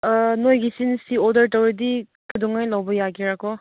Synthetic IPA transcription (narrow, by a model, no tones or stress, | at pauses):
nojɡisinsiɔdɐɾtawɾidi | kɐduŋajlawbɐjaɡiɾakɔ